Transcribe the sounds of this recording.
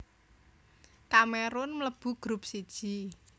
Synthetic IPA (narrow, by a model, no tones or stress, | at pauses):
kameɾʊnmləb̥ṳɡ̥ɾup̚sid̥ʒ̥i̤